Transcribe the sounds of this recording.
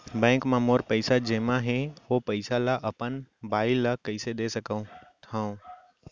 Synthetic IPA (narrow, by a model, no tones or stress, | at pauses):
bɛ̃ːŋkmãmoːɾpəɪsad͡ʒeːmãɦeopəɪsalaʔəpənbaːɪlakɐɪsed̪esəkəũt̪ʰãũ